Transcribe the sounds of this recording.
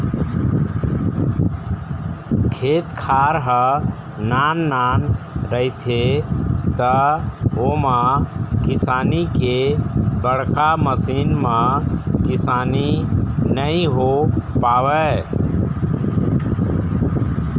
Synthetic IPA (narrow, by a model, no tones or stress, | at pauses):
kʰet̪kʰaɾɦə | nanːan | ɾəɦit̪ʰet̪əomakisanikebəɽkaməsinmãkisaninəiɦopawɛ